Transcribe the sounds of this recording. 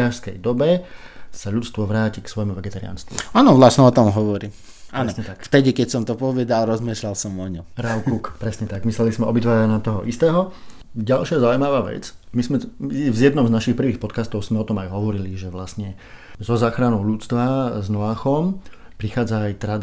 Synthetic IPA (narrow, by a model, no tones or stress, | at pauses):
aʃskɛjd̪ɔbɛsaʎut͡st̪ʋɔʋɾaːciksʋɔjmuʋɛɡɛt̪aɾḭa̰nst̪ʋṵaːnɔʋlasɲɛɔt̪ɔmɦɔʋɔɾi | anɔɲɛt̪akft̪ɛɟikɛcsɔmt̪ɔpɔʋɛd̪alɾɔzmiːʃlalsɔmɔɲɔmɾaʊkukpɾɛsɲɛt̪aɡmislɛlizmɛɔbit̪ʋaːɾanat̪ɔɦɔ̰ʔist̪ɛːɦɔ | ɟalʃɪazauimaʋaːʋɛ̰t͡smizmɛvzjɛd̪nɔmznaʃixpr̩ʋiːxpɔt̪kast̪ɔʊzmɛɔt̪ɔmajɦɔʋɔɾiliʒɛʋlast̪ɲɛ | zɔzaːxɾanɔʊʎut͡st̪ʋaznɔaːxɔmpɾixaːd͡zaːjt̪ɾad̪